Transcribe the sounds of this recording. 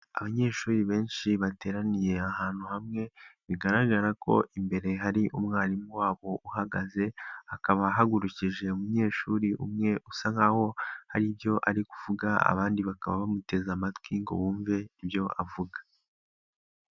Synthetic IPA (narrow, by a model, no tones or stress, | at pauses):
a̰βaɲe̞ːʃuːɾiβe̞ːnʃiβate̞ːɾanije̞ahaːn̥huhamŋe̞βiɡaɾaɡaɾako̞̰ʔimbe̞ɾe̞ɦaɾiʔumŋaːɾimuwaːβo̞ʔuhaɡaze̞akaβaɦaɡuɾuciʒe̞umuɲe̞ːʃuːɾiʔṵmŋe̞ʔusaŋaho̞haɾibjo̞ʔaɾikuvuɡaa̰βaːndiβakaβa̰βamute̞zamatwiŋɡo̞̰βuːɱve̞ibjo̞ʔa̰vuɡa